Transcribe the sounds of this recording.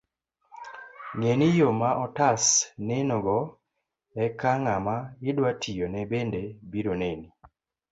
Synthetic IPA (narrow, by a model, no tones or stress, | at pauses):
ŋenijomaʔɔtasnɛnoɡɔ | ɛkaŋamaɪdwatʰijonɛbendebiɾoneni